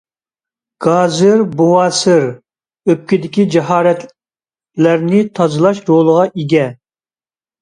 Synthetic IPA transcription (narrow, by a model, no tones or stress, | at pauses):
ɡ̥ɑːzɪɾbowɑːsɪɾ | øp̚kʲɪd̪ɪkʲid͡ʒɛɦɑːɾɛt̪ | læɾnɪt̪ʰɑzɨlˠɑʃɾolˠəʁɑʔiɡʲɛ